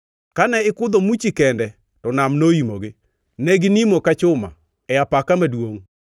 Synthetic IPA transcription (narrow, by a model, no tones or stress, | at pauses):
kanɛɪkʊd̪omut͡ʃikɛndɛ | tɔnamnoimoɡɪ | nɛɡɪnimokat͡ʃʊma̰ | ɛapakamadwoŋ